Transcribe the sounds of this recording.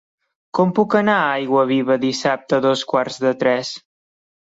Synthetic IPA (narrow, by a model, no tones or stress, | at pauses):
kɔmpukənaajɣwəβiβəðisap̚t̪əðɔskwarzðət̪ɾɛs